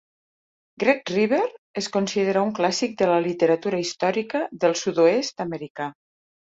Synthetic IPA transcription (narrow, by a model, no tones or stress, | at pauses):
ɡɾet̪riβ̞eɾeskonsiðeɾauŋklasik̚d̪ələlit̪əɾət̪uɾəist̪ɔɾikəðəlˠsud̪oest̪əməɾika